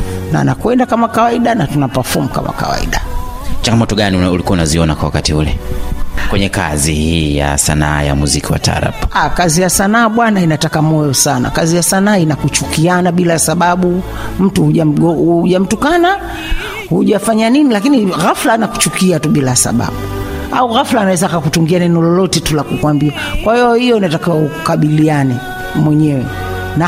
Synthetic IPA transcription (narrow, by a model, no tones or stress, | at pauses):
na̰ːnakwɛndakamakawaiɗanatunapafɔmuka̰ma̰ka̰wa̰ḭɗat͡ʃaŋɡamɔtɔɠaniuulikuaunaziɔnakwawakatiulɛ̰ | kwɛɲɛka̰zihiːja̰sa̰na̰a̰ja̰muzikiwa̰taːɾa̰pḁakazijasanaːɓwanainatakamɔjɔsana̰kazijasanaːinakut͡ʃukianaɓilasaɓaɓu | m̩tuhuʄam̩ɔuʄam̩tukana | huʄafaɲaninilakiniɣaflanaku̥t͡ʃukiatuɓilasa̰ɓa̰ɓu | a̰uɣaflaːnawɛzaːkakut͡ʃuŋɡianɛnɔlɔlɔtɛtulakukwambia | kwahijɔhijɔinatakiwaukukaɓilianɛ | mwɛɲɛwɛ̰ | na